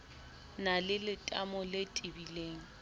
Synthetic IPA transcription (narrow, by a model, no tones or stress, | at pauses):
nalɪlɪtʼamɔletʼɪbileːŋ̩